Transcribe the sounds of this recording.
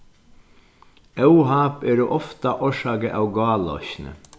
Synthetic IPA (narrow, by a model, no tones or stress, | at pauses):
œwɦɑːpɛːɾuʔɔft̪aʔɔʂɑːkəʔa̰wɡɑːlɔ̰çnə̰